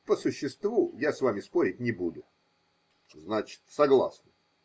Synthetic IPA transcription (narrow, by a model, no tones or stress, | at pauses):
pəsʊɕːɪst̪vujasvamʲɪspo̞ɾʲɪt̚ʲnʲɪbud̪ʊ | znat͡ɕɪ̥t̪sɐɡlˠa̰snə